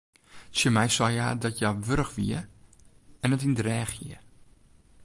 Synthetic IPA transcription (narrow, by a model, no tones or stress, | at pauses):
səmɛjsɔjadɔtjaʋøɾəxʋiə | ɛnətindrɛːxjiə